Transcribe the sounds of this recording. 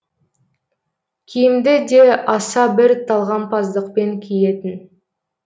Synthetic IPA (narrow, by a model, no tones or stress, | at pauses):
kʲʰijɪmd̪ɪd̪eʔɑsɑbɪɾt̪ʰɑlˠʁɑnpʰɑzd̪əqpe̞ŋkʲʰijet̪ɪn